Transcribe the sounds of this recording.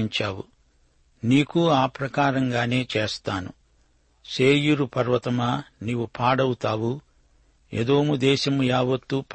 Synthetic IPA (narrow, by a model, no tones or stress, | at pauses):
iɲt͡ʃaːwṵ | niːkuaːpɾɐkaːɾɐŋɡaːne̞ːt͡ʃeːst̪aːnṵ | seːjuɾupɐɾʋɐt̪ɐmaːniːʋupʰaːɽɐwut̪aːwu | ḛd̪o̞ːmud̪ɛːʃɐmujaːʋɐt̪ːup